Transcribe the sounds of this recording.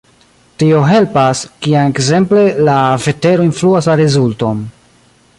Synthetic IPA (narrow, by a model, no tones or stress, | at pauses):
tio̞ɦe̞lpaskianekze̞mple̞lave̞te̞ɾo̞influaslaɾezulto̞n